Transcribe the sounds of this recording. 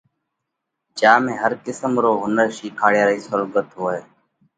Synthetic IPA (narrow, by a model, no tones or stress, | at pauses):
d͡ʒaːmẽːɦəɾkɪsəmɾoːɦʊnəɾʃiːkʰaːɽjaːɾiːsʊlɡət̪ɦoːeː